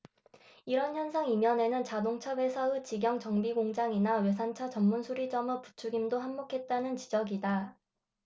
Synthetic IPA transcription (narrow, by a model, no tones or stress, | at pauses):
iɾʌnçjʌnsʰaŋimjʌne̞nɯnt͡ɕadoŋt͡ɕʰawe̞sʰaɯt͡ɕiɡjʌŋt͡ɕʌŋbiɡoŋd͡ʑaŋinawe̞s̬ʰant͡ɕʰat͡ɕʌmːunsʰuɾid͡ʑʌmɯpu̥t͡ɕʰuɡimdoɦamːokʰe̞t̚t͈anɯnt͡ɕid͡ʑʌɡida